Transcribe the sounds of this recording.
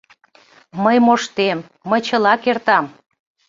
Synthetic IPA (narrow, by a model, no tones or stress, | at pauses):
məjmoʃt̪emː | əjt͡ɕəlɑkert̪ɑm